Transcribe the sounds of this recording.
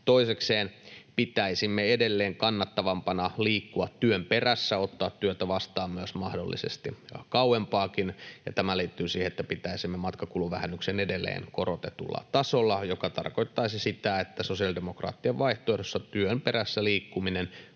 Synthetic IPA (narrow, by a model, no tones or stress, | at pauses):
t̪oisekseːnpit̪æisimːeedelːeːŋkɑnːɑt̪ːɑʋɑmpɑnɑliːkːuɑt̪tyømperæsːæot̪ːɑːt̪tyøt̪æʋɑst̪ɑːmmyøsmɑhdo̰lːʔḭsḛst̪ikɑwwempɑːkinjɑ̰t̪æmæliːt̪ːyːsiːheet̪ːæpit̪æisimːemɑt̪kɑkuluʋʋæhænːyksenedelːˑḛːnkorot̪et̪ṵlːɑ̰t̪ɑsolːɑjokɑt̪ɑ̰rkoit̪ːɑisisit̪æet̪ːæsosiɑldemokrɑ̰ːt̪ːiɑʋʋɑiht̪oːjɑtosːɑt̪yømperæsːæliːkːuminen